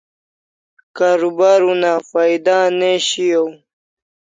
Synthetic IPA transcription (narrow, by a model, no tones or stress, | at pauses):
kaːɾubaːɾunafaːid̪aːneɕijow